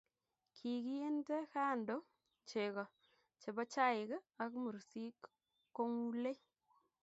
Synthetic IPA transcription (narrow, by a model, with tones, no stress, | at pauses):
kʰi˨ki˦e˦nte˦ka˦˨ndo˦ | t͡ʃe˨kɔ˨ | t͡ʃe˨ba˦t͡ʃa˦ɪ˨ka˨kmu˨ɾsi˦k | kːo˦ŋu˦le˦